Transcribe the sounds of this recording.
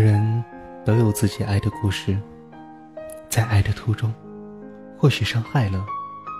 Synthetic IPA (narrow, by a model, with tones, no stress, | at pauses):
ɻə˧˥n | t̪ɤ˧˥jo˨˩ʊt͡sɹ̩˥˩t͡ɕi˨˩ʔa˥˩ɪd̪ə˩ku˥˧ʂɻ̩˥˩ | t͡sa˥˧ɪʔa˥˩ɪd̪ə˩t̪ʰu˧˥ʈ͡ʂʊ˥ŋ | xwɔ˥˩ɕy˨˩ʂɑ˥ŋxa˥˩ɪlə˩